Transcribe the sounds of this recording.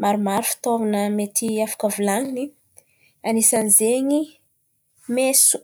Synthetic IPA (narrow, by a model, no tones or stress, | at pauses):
maɾumaɾufi̥t̪ovanəmet̪iafḁkəvulaŋini | anisanizeɲi | mesu̥